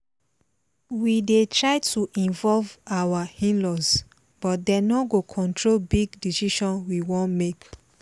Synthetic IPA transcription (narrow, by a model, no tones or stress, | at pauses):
widetɹaɪtʰuʔĩnvɔlvawahĩnlɔs | b̥ɔt̚denɔɡokʰɔ̃ntʰɹolbiɡdisiʃɔ̃nwiwɔ̃nmek